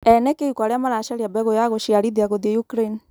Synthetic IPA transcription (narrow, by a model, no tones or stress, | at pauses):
ɛnɛkeukwaɾeamaɾaʃaɾiabɛɣojaɣoʃiaɾiðiaɣoðiɛjukɾaini